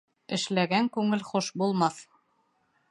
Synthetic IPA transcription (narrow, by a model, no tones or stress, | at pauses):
ɘ̆ʃlæɡæŋkʉŋɘlχoʃbulˠmɑθ